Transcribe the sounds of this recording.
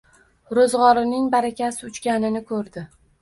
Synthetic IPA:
ɾozʁɒɾɪnɪŋbaɾakʲasɪʊt͡ʃkʲanɪnɪkʰɵɾd̪ɪ

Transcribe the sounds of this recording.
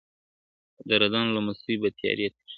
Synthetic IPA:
d̪əɾad̪ɑnlamasubat̪ijɑ̰ɾijat̪

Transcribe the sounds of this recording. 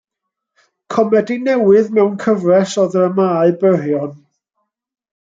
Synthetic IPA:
kʰɔmɛdinɛwɪðmɛwnkʰəvrɛsɔðəɾəmaːɨbərjɔn

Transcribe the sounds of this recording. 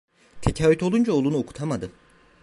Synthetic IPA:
t̪ʰecʰaːvyt̪ʰo̞lˠund͡ʒaolˠunuokʰu̥t̪ʰamad̪ɯm

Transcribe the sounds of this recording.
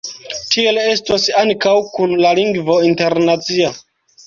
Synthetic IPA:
tʰie̞le̞stosaŋkawkunlaliŋɡvo̞inte̞ɾnat͡sia

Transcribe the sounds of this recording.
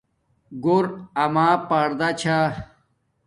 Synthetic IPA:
ɡoɾɐmaːpaɾd̪at͡ɕʰa

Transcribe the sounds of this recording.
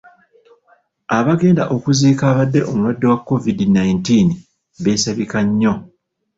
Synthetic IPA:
aβaɡe̞ːnda̰ʔo̞kuziːkaːβadːe̞ʔo̞mulwadːe̞wakːo̞vidinajintiːni | βe̞ːsaβikaɲːo̞

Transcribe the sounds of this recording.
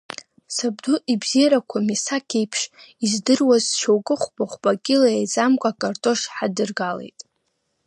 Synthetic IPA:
sab̚duʔibz̥ijaɾakʷʰamisakʲʰejpʰʂizdɨrwazʃowkʼɨχʷbʼaχʷbʼakʲʼilajajzʼamkʷʼakʼartʼo̞ʂħadɨrɡalḛjtʼ

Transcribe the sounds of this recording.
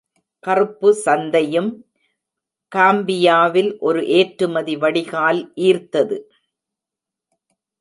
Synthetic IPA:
kɐrɯpːɯsɐnd̪ɐjɯm | kaːmbɪjaːʋɪlʔɔɾɯʔeːʈɾɯmɐðiʋɐɽɪɣaːlʔiːɾt̪ɐðɯ

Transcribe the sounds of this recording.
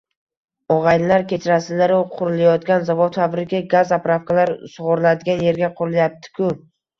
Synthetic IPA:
ɒʁɑjnlaɾkʲʰet͡ʃʰɾasɪlaɾʊqʰʊɾɪlajɒt̪ɡʲanzavod̪fabɾɪkʲaɡazapɾafkalaɾsʊʁʊɾlad̪ɪɡʲanje̞ɾɡʲaqʰʊɾɪljap̚t̪ʰɪ̥kʰʊ

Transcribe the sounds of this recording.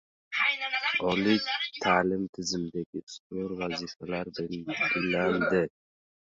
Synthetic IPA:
ɒlɪkt̪ʰaːlɪmt̪ʰɪzɪmd̪aɡʲɪsqʊɾvazifalaɾbɪlɡʲɪland̪ɪ

